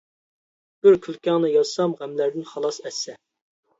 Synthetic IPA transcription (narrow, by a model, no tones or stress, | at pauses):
b̥ɪɾkʲʰylˠkʲɑŋnɨjɑzsɑmʁæmlæɾd̪ɪnχɑlˠɑsɛsːɛ